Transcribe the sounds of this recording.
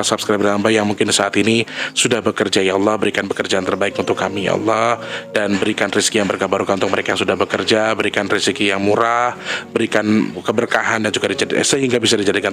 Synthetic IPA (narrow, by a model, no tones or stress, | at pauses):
asapskɾap̚daambajjaŋmuŋkɪnsaʔat̪inisudahbəkərd͡ʒajaɑlˠːɔhbəɾikanpəkərd͡ʒaant̪ərbaɪkunt̪ʊkːamija̰ʔɑ̰lːɑhdanbəɾikanriskijaŋbərkabaɾukanunt̪ʊk̚məɾekajaŋsudahbəkərd͡ʒabəɾikanrisikijaŋmuɾahbəɾikankəbərkaɦandand͡ʒuɡadid͡ʒadisəɦiŋɡabisadid͡ʒadikan